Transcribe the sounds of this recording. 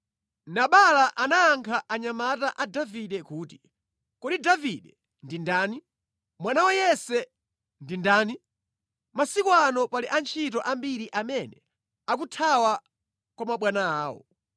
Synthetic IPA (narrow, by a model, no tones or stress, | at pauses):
naɓalaʔanaːŋkʰaʔaɲamataʔadaviɗɛkuːti̥ | kɔɗidaviɗɛ | ndindaːni | mwanawajɛsɛ | ndindaːni | masikwanɔpaliʔant͡ʃʰit̬ɔʔambiɾiʔamɛnɛ | ak̬utʰawa | kwamaɓwanaaːwɔ̰